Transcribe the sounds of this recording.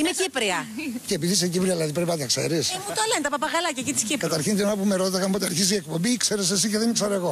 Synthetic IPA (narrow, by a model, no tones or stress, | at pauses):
imecipɾiɐceːpiðisecipɾiɐðilɐðipɾepinɐt̪ɐkse̞̰ɾismut̪olent̪ɐpɐpɐɣɐlɐcɐcit̪iscikɐt̪ɐɾçint̪inonɐpumeɾot̪ɐkɐmpot̪ɐɾçiziek̚pombiikseɾes̬esiceðenikseɾoeɣo